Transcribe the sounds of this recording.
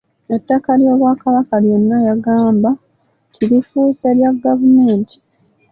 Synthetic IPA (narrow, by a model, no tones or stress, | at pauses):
etːakaljo̞ːβwakaβakalje̞nːajaɡaːmba | tʰiɾifuːse̞ljaɡavume̞ːntʰi̥